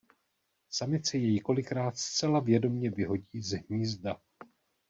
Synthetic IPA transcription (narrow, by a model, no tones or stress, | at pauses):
samɪt̪sɛjɛjɪko̞lɪkɾaːt̪st͡sɛlavjɛdo̞mɲɛvɪɦo̞ɟiːzɦɲiːzda